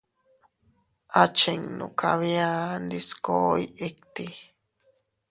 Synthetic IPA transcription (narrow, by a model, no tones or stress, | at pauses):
ʔat͡ʃeŋno̰kʰaβjand̪iskojek̚t̪i